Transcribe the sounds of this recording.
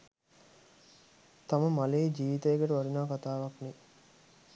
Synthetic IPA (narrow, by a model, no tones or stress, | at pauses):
t̪aməmaleːd͡ʒiːʋit̪ɐeɡeʈuʋaɾinaːkat̪aːʋɐkni